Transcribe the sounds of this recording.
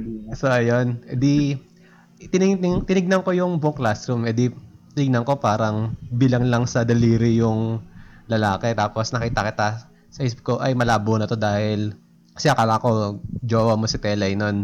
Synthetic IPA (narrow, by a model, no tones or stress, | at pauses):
ɐsoʔɐjonʔɛd̪i | t̪ɪnɪɪŋt̪ɪnɪɡ̚nɐŋko̞jʊŋboklast̪ɾumɛd̪it̪ɪnɪɡ̚nɐŋko̞paːɾɐŋbiːlɐŋlɐŋsɐd̪ɐliːɾɪjʊŋlɐlaːkɛt̪aːpo̞snɐkiːt̪ɐkɪt̪a | sɐhɪsɪp̚ko̞ʔɐjmɐlaːbonɐt̪o̞d̪aːhɪl | kɐ̥sɪakɐlako̞d͡ʒoːwɐmo̞sɐt̪ɛːlɐjno̞n